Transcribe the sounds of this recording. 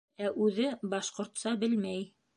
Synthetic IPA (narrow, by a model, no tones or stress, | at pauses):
æʔʉðɘbɑʃqŏɾt̪sɑbɘlmæj